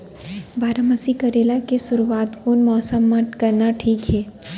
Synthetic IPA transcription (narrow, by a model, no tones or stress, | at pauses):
baːɾamɐsikɐɾeːlakesʊɾuaːt̪koːnmɔːsəmːãkɐɾnaʈʰiːkɦɛː